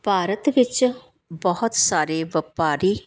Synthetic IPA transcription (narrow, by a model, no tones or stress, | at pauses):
bʱaːɾət̪ʋɪt͡ʃ | bəɦʊt̪saːɾeːʋəpaːɾiː